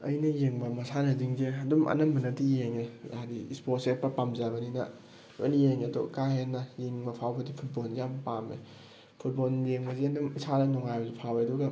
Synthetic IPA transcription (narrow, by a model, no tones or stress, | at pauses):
ɐ̰jnɐjeŋbɐmɐsanɐziŋzeɐdumʔɐ̰nɐmbɐnɐtijeŋeaɾiisposepɐpamzabɐninɐ̰ | ḛnijeŋeto̰kaɦenːɐjiŋbɐpʰawbɐdipʰut̚bolijampamḛ | pʰut̚boljeŋbɐzeɐdumisʰanɐnɔŋajbɐzipʰaweɐduɡɐ